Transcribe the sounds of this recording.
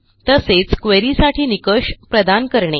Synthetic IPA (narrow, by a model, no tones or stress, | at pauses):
t̪əset͡skʋeɾisaʈʰiːnikəɕpɾəd̪ankəɾɳe